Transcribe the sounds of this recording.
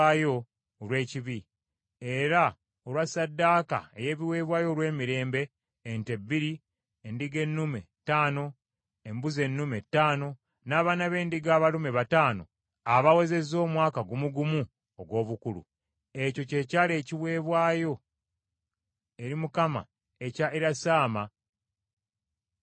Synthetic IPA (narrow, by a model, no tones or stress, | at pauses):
aːjo̞ | lwe̞ːciβi | eɾa | olwasadːaːka̰e̞̰je̞ːβiwe̞ːβwaːjo̞lwe̞ːmiɾe̞ːmbe̞ː | nte̞biɾi | endiɡe̞nːume̞ | taːno̞ | embuze̞nːume̞tːaːno̞ | naːβaːnaβe̞ːndiɡaːβalume̞βataːno̞̰ | aβawe̞ze̞zo̞ːmwaːkaɡumuɡumu | oɡwo̞ːβukulṵ | eco̞ce̞ːcaːle̞ːciweːβwaːjo̞ | eɾimukama̰ | ecaeɾasaːma